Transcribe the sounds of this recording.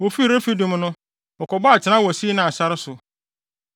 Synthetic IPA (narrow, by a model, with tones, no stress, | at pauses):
wo˨fi˦˨ɾe˦fi˦dũ˨m˦nʊ̃˦ | ɔ˨kʰɔ˨ba˦a˨t͡ɕʰɪ˨nã˦wɔ˨si˦nã˨a˨sa˦ɾɪ˦sʊ˨